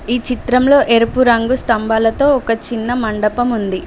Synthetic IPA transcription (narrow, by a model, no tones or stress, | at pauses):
iːt͡ʃit̪ɾɐmlo̞ːʔe̞ɾupuɾɐŋɡust̪ɐmbaːlɐt̪o̞ːɔkɐt͡ʃinːɐmɐɳɖɐpɐmund̪i